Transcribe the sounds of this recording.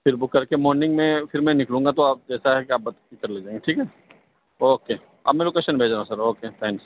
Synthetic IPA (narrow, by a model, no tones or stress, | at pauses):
fɪɾbʊkːɐɾkemɔːɾnɪ̃ŋɡmẽfʰɪɾmɛ̃nɪklũːŋɡat̪oaːp̚d͡ʒɛːsaɦɛkeaːp̚bɐt̪ɪt̪ɐɾleːd͡ʒãːẽːŋɡeʈʰiːkɦɛ | oːkeː | ɐ̰bmɛ̃loːkeːʃənbʱeːd͡ʒɾãũsɐɾoːket̪ʰɛ̃ːŋks